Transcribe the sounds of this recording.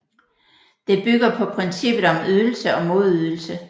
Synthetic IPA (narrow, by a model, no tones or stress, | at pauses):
d̥e̝b̥yɡ̥ɐpʰɒ̽pʰʁɛnsib̥ð̩ˠɒ̽myðˠl̩səɒ̽mo̝ð̞ˠyðˠl̩sə